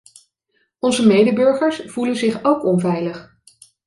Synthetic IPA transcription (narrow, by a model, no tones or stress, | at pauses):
ɔnzəmejdəbɵɹχəɹsv̥ulənzɪχowkɔnvɛjləχ